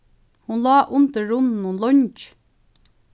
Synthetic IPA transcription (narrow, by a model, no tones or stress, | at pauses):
hʊnlɑːʔʊnt̪əːʊnnʊnlɔɲt͡ʃ